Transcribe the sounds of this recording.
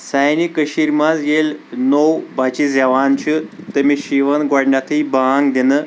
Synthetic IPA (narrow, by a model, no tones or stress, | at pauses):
sajnikəɕiɾmazjelnowbat͡ɕid͡zɛʋant͡ɕʰit̪əmiɕiʋənɡaɽɳat̪ʰiibaŋɡd̪enə